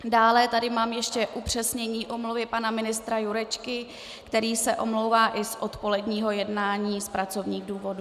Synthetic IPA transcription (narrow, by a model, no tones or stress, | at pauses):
daːlɛt̪adɪmaːmjɛʃcɛʔupr̝̥ɛsɲɛɲiːʔo̞mluvɪpanamɪnɪst̪ɾajuɾɛt͡ʃkɪ | kt̪ɛɾiːsɛʔo̞mlo̞wvaːʔɪsʔot̪po̞lɛdɲiːɦo̞jɛdnaːɲiːspɾat͡so̞vɲiːɣduːvo̞du